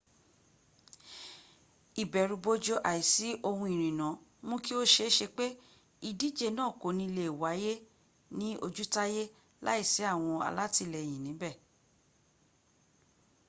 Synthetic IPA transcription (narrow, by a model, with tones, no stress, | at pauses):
i˨bɛ˨ɾu˧bo˧d͡ʒo˧ʔa˨i˨si˨˦ʔo˧hũ˧i˨ɾ̃ĩ˨nã˨˦mũ˦ki˦o˦ʃe˧˦ʃe˧k͡pe˦ | i˧˨di˦d͡ʒe˦˧nãː˦˨ko˨nĩ˧i˧le˦˨i˨wa˨˦je˦ | nĩ˦o̰˧d͡ʒu˦ta˦je˦ | la̰˦i˦˨sɛ˨˦a˦˨w̃ɔ̃˧a̰˧la˦ti˧lɛ˨j̃ĩ˨nĩ˨˦bɛ˦˨